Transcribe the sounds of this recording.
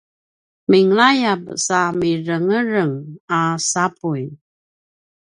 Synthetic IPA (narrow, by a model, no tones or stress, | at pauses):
miŋlajab̚samiɾəŋəɾəŋasapuj